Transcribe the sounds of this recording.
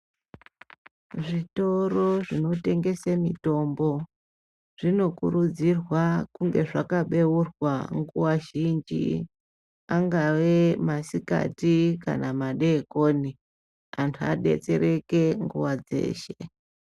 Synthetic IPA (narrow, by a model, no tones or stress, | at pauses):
ʐito̞ro̞ʐinote̞ŋɡe̞semito̞mbo̞ | ʐ̥ino̞kuɾud͡zirwakuŋɡe̞ʐakaɓe̞urwaŋɡuwaʒind͡ʒḭ | aŋɡawe̞masika̰tika̰namaɗe̞koːni | antʰua̰ɗe̞̰t͡se̞ɾe̞ke̞ŋɡṵwad͡ze̞̰ːʃḛ